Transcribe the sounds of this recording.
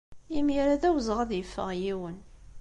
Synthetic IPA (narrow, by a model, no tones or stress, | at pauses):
imiɾæðæwzˤəʁæðjəfːə̰ʁjiwən